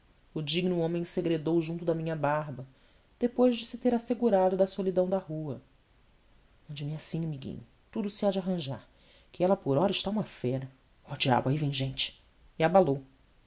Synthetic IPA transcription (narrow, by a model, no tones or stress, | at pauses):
ʊd͡ʒiɡnʊõmẽj̃seɡɾed̪owʒũnt̪ʊd̪ɐmĩɲɐbaɦbɐ | d̪̥epojʒd͡ʒɪsɪt̪eɾaseɡuɾad̪ʊd̪ɐsolid̪ɐ̃w̃d̪ɐhuɐ | mɐ̃nd͡ʒɪmɪasĩɐmiɡḭ̃ɲʊ | t̪ud̪ʊsɪad͡ʒaɦɐ̃ʒaɾ | kɪɛlɐpʊɾɔɾɐɪʃt̪aũmɐfɛɾɐ | ɔd͡ʒia̰blaivẽj̃ʒẽnt͡ʃɪ̥ | iabalow